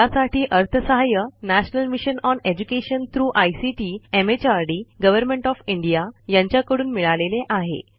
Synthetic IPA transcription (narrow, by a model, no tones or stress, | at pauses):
asaʈiːʔəɾt̪ʰəsəɦajənæɕnəlmiɕənɔned͡ʑukeɕənt̪ʰɾuːʔajsiʈiemet͡ɕaɾɖiːɡəʋəɾmẽɳʈɔfiɳɖijajaɲt͡ɕjakəɽuːnmiɭaleleʔaɦḛ